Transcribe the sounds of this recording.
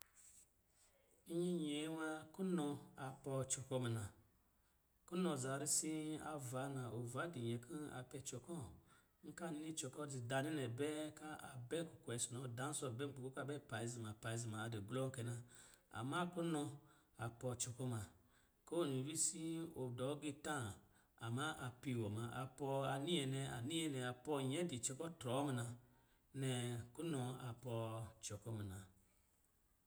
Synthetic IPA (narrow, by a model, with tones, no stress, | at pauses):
i˦ɲi˦ɲe˨˦ma˧ku˦nɔ˧a˨pɔ˧˨t͡ʃɔ˨kɔ˧mɛ˨nã˨ | ku˦nɔ˧˨za˨ɾi˧si˦a˧va˨˦nã˨o˨va˨˦di˨ɲɛ˨kʰi˦a̰˨pɛ˧t͡ʃɔ˨kɔ˦˨˦ | ŋ̩˦ka˦˨ni˦t͡ʃɔ˨kɔ˦˨d͡zi˨da˨ni˦nɛ˨bɛ˦ka˦a˨bɛ˦ku˨kʷsi˨nɔ˨da˨˦n˦sɔ˧˨bɛ˦m̩˨k͡pu˨ku˦ka˦˨bɛ˦˨pa˨i˧˦zi˨ma˨pa˨i˧˦zi˨ma˨di˨ɡlɔ˦ŋ̩˦kɛ˨na˧a̰˨ma˦ku˦nɔ˧ | a˨pɔ˧t͡ʃɔ˨kɔ˦ma˨ | ko˦˨nu˨wi˦si˦o˨dɔ˨˦ɡi˧tã˦˨ | a˨ma˦ʔa˨pi˧˨wɔ˨ma˨ʔa˨pɔ˧a˨ni˦ɛ˨nɛ˨a̰˨ni˦jɛ˧nɛ˨a˨pɔ˧˨ɲɛ˨˦di˨t͡ʃɛ˧kɔ˦tɾɔ˨˦mi˨na˧ | nɛ˨ku˦nɔ˧a˨pɔ˧t͡ʃɔ˨kɔ˦mi˨na˨